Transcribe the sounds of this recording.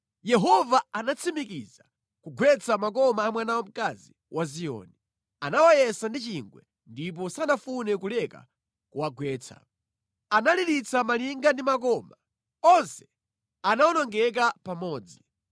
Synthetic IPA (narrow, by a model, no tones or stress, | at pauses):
jɛɦɔvaanat͡sʰimikiza | kuɡwɛt͡sʰamak̬ɔmaːmwɛnawɔm̩kazi | wʔazijɔ̰ːni | anawajɛsandit͡ʃiŋɡwɛ̰ | ndip̬ɔsanafunɛkulɛka̰ | kuwaɡwɛːt͡sʰa̰ | analiɾit͡sʰamaliŋɡandimak̬ɔma | ɔnsɛ̥ | anawɔnɔŋɡɛk̬apamɔːd͡zi